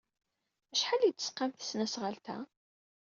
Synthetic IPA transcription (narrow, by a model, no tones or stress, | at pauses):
æʃħalid̪əsqːɑmθə̥snæsʁəlt̪æ̰